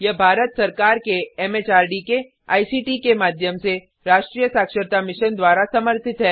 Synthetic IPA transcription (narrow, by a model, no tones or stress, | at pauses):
jɐbʱaːɾət̪sɐɾkaːɾkeɛːmeːt͡ʃaːɾɖike | a̰ːisiːʈikemaːd̪ʱjəmse | ɾaːʃʈɾiːjəsaːkʃəɾt̪amɪʃənd̪waːɾasɐməɾt̪ʰɪt̪ɦɛː